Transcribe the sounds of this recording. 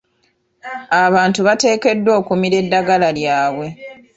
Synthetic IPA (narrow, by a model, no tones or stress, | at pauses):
aβaːntuβate̞ːke̞dːwo̞ːkumiɾe̞dːaɡalaljaːβwe̞